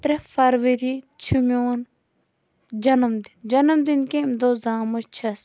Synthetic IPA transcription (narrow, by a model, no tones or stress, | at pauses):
t̪ɾɐfɐɾʋɐɾit͡ʃʰumʲoːn | d͡ʒɐnɐmd̪ind͡ʒɐnɐmd̪inkẽimd̪oːzaːmot͡ʃʰɐs